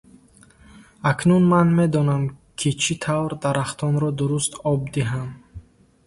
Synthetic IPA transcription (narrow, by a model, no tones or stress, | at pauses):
akʰnunmanme̞d̪ɔnamkʰit͡ʃʰit̪ʰavɾd̪aɾaχt̪ʰɔnɾɔd̪uɾust̪ɔb̚d̪iɦam